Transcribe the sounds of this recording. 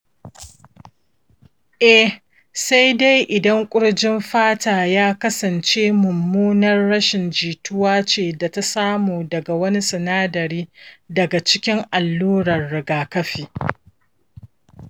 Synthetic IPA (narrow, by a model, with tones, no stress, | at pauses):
ʔɛ˦ | sa˦jda˦jʔɪ˨dɐ˦ŋkʷʼʊ˦ɽd͡ʒɪ˦mɸaː˦taː˨jaː˦kɐ˦sɐ˨nt͡ʃeː˦mʊ˨mːuː˦nɐ˦rːɐ˦ʃɪ˨nd͡ʒiː˨tʊ˦waː˦t͡ʃeː˨da˨ta˦saː˦muː˨dɐ˨ɡa˨wɐ˦ni˦sɪ˨naː˦dɐ˨ɾiː˦dɐ˨ɡa˨t͡ʃɪ˦kʲɪ˦ŋʔa˨lːuː˦ɽɐ˨rːɪ˨ɡaː˨kɐ˦ɸiː˨